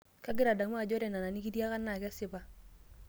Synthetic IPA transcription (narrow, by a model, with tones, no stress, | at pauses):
ka˦ɡɪ˦ɾa˨da˨m˦a˨d͡ʒɔ˦ɾɛ˨na˨na˨nɪ˦ki˦dja˦ka˦na˨kɪ˦a˦sɪ˦ba˦